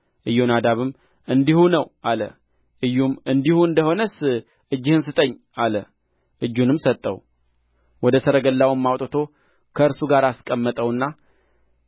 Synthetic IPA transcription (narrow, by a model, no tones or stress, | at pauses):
ʔɨjːo̞nad̪aβɨm | ɨnd̪ihunəwʔalə̰ | ʔɨjːumɨnd̪ihuɨnd̪əho̞nəs | ɨd͡ʒːɪhɨnsɨt̪ʼəɲː | alə | ʔɨd͡ʒːunɨmsət̪ʼːə̰w | wɔd̪əsəɾəɡəlːawmːawt̪ʼɨt̪ʰo̞ | kʰəɨɾsuɡaɾaskʼəmːət̪ʼəwɨnːa